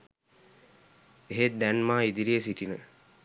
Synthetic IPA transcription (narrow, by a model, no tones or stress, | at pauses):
eɦet̪̚d̪ænmaːid̪iɾijesiʈinə